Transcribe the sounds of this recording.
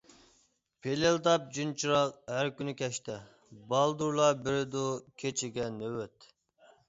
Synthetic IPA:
pʰeleld̪ɑp̚d͡ʒynt͡ʃʰiɾɑqɦæɾkʲynykʲʰɛʃt̪ɛ | bɑlˠd̪uɾlˠɑbɪɾɪd̪ukʲʰet͡ʃʰɪɡʲɛnøwøt̪

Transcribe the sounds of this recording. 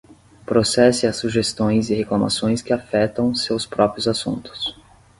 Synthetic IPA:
pɾosɛsɪasuʒest̪õj̃zɪheklama̰sõj̃skɪafɛt̪ɐ̃w̃sewspɾɔpɾiʊzasṵ̃nt̪ʊ̥s

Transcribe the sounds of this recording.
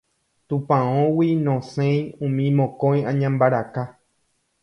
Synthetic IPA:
t̪ũpãõwinõsẽj̃ũmĩmõkõj̃ãɲãmbaɾaka

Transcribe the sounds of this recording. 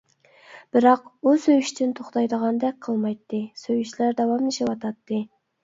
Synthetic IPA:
b̥ɪɾɑqusøjyʃt̪ʰɪnt̪ʰoχt̪ɑjd̪əʁɑnd̪ɛk̚ʲqʰəlˠmɑjt̪ːɨsøjyʃlæɾd̪ɛwɑmd̪eʃiwɑt̪ʰɑt̪ːɨ

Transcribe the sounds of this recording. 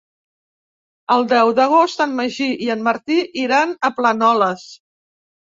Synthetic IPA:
əlˠd̪ɛwðəɣ̞ost̪ənməʒiʔiənmːəɾt̪iʔiɾanəplənɔləs

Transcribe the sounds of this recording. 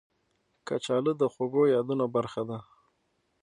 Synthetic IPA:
kat͡ʃɑləd̪əxoɡojɑd̪unabaɾxad̪a

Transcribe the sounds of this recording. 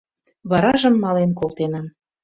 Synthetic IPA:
βɑɾɑʒə̆mːɑlenkolˠt̪enɑm

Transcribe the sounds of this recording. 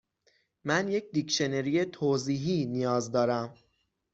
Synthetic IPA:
mænje̞cʰd̪ikʃeneɾijet̪ʰoːziːɦiːnijɒːzd̪ɒːɾæm

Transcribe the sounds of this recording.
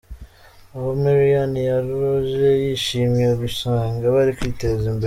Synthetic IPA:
aβomeɾianijaɾɾoʒejiʃiːmjeβisaːŋɡaβaɾikwiːtezimbe

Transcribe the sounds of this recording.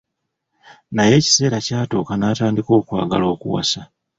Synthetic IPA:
naje̞ːci̥se̞ːɾacaːtoːkanaːtaːndiko̞ːkwa̰ːɡa̰lo̞ːkṵwa̰sa

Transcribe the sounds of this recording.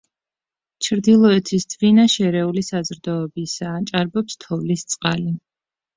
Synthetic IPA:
t͡ʃʰɾd̪ilˠɔɛt̪ʰisvinaʃɛɾɛulisazɾd̪ɔːbisaːt͡ʃʼaɾbɔpst̪ʰɔvlist̪sʼqʼali

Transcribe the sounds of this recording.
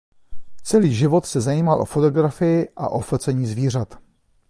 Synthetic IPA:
t͡sɛliːʒɪvo̞t̪sɛzajiːmalʔo̞̰fot̪o̞ɡɾafɪjɪʔa̰ʔo̞flt͡sɛɲiːzviːr̝at̪

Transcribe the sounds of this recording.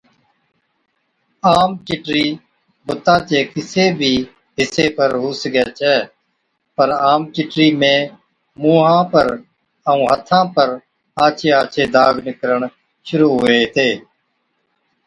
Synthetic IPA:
aːmt͡ʃɪʈɾiː | bʊt̪ːãːt͡ʃeːkɪseːbʱiː | ɦɪseːpəɾɦuːsəɡɛːt͡ʃʰɛː | pəɾaːmt͡ʃɪʈɾiːmẽː | muːɦãːpəɾ | əũːɦət̪ʰãːpəɾ | aːt͡ʃʰeːaːt͡ʃʰeːd̪aːɡnɪkəɾəɳ | ʃʊɾuːɦʊeːt̪eː

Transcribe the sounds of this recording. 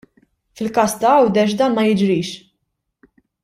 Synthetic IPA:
fɪlkɐːst̪ɐɐwd̪ɛʃ̬d̪ɐːnmɐjɪd͡ʒɾiːʃ

